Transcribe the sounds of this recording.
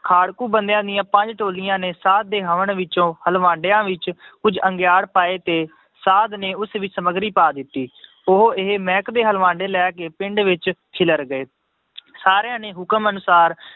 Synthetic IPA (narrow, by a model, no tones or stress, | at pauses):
kʰaːɽkuːbənd̪jãːd̪ɪjãːpə̃ɲd͡ʒʈoːlɪjãːneːsaːt̪̚d̪eːɦəʋəɳʋɪt͡ʃõːhəlʋãːɳɖejãːʋɪt͡ʃkʊd͡ʒəŋɡjaːɽpaːeːt̪eː | saːd̪neːʊsʋisəməɡɾiːpaːd̪ɪt̪ːiː | ʊɦoɪɦmɛ̃ːkd̪eːɦəlʋãːɳɖeːlɛːkeːpɪ̃ɳɖʋɪt͡ʃkʰɪləɾɡəeː | saːɾejãːneːɦʊkəmənʊsaːɾ